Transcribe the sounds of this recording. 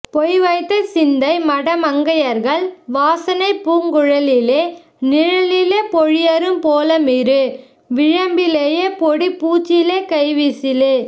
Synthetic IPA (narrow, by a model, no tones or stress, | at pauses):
pɔjʋɐɪt̪ːɐsɪnd̪ɐɪmɐɽɐmɐŋɡɐjɐɾɣɐɭʋaːsɐnɐɪpuːŋɡʊɻɐlɪleː | nɪɻɐlɪleːpɔɻɪjɐɾɯmpoːlɐmɪɾɯ | ʋɪɻɐmbɪleːjeːpɔɽipuːt͡ʃːɪleːkɐɪʋisɪlɯ